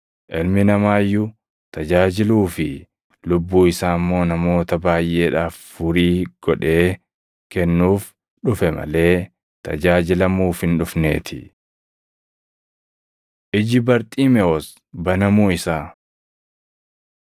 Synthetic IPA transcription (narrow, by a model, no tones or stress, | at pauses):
ʔɪlmɪnɐmaːjːʊ | t̪ɐd͡ʒaːd͡ʒɪluːfɪ | lʊbːuːɪsaːɐmːo̞ːnɐmo̞ːt̪ɐbaːjʔe̞ːᶑaːffʊɾiːɡ̥ɔᶑe̞ː | kɛnːuːf | ᶑʊfɛmɐ̰le̞ː | t̪ɐ̰d͡ʒaːd͡ʒɪlɐmuːfhɪnᶑʊfne̞̰ːt̪ʰɪ | ʔɪd͡ʒɪbɐɾt̪ʼiːmɛɔs | bɐnɐmuːɪsaː